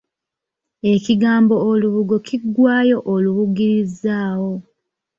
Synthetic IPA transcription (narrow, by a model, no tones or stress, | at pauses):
e̞ciɡaːmbo̞ːluβuɡo̞cʰiɡwaːjo̞ʔoluβuɡiɾizaːwo̞